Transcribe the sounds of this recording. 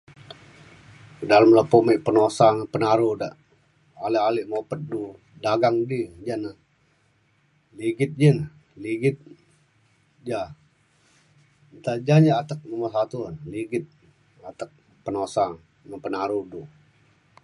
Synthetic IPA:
daləmləpoməʔpənosaŋəpənaɾudaʔ | alɪʔaliʔmopət̪̚du | daɡaŋdid͡ʒanə | liɡɪt̪̚d͡ʒən | liɡɪt̪̚ | d͡ʒa | nt̪ad͡ʒaɲaat̪ək̚məmasat̪uliɡɪt̪̚ | at̪ək̚ | pənosa | ŋənpənaɾudu

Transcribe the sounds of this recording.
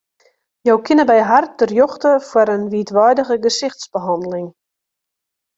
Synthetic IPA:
jɔwkʰɪnəbɛjɦartərjɔχtəfwəɾənʋiətʋɔjdəɣəɡəsɪxtsbəɦɑndəlɪŋ

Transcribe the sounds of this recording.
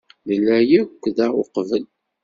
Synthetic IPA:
ðəlːæjækʷːðæoqvəl

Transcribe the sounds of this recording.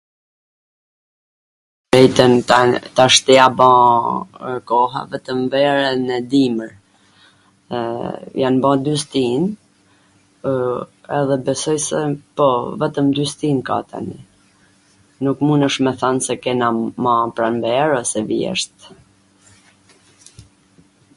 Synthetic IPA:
ɾɛjt̪ənt̪aʃt̪ɛabã | kɔɦa̰vɛt̪əmvɛɾɛnɛd̪iməɾ | janbad̪yst̪in | ɛðɛbɛsɔjsɛpɔvɛt̪əmd̪yst̪inka̰t̪a̰nḭ | nukmunəʃmɛθansɛkɛnamãpɾanvɛɾɔsɛvjɛ̰ʃt̪

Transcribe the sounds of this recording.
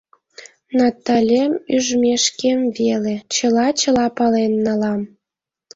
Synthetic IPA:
nɑt̪ɑlʲemyʒmʲeʃkemvelet͡ɕəlɑt͡ɕəlɑpɑlenːɑlɑm

